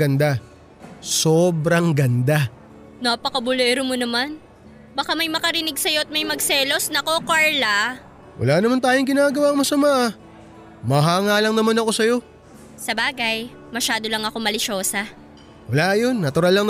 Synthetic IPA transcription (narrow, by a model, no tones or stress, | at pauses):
ɐnd̪a | soːbɾɐŋɡɐnd̪a | naːpɐkɐbʊloʔɪɾʊmonɐman | bɐkamɐjmɐkɐɾɪnɪɡsɐjo̞ʔɐt̪̚mɐjmɐɡ̚sɛːlo̞snɐko̞kaɹla | wʔɐ̰laːnɐmant̪aːjoŋɡɪnaːɡɐwaːŋmɐsɐmaʔ | mɐɦaːŋaːlɐŋnɐmanɐko̞sɐjo̞ | sɐbaːɡɐj | mɐʃaːd̪o̞lɐŋɐko̞mɐlɪʃo̞ːsɐ | wɐlajo̞nːɐt̪ʊɾalːɐŋ